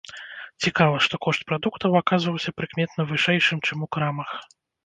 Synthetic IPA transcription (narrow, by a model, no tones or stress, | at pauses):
t͡sʲikavɐʂt̪ɔkɔʂt̪̚pɾad̪ukt̪ɐwakazvɐwsʲɐpɾɨkmʲɛt̪nɐvɨʂɛjʂɨmt͡ʂɨmukɾamɐx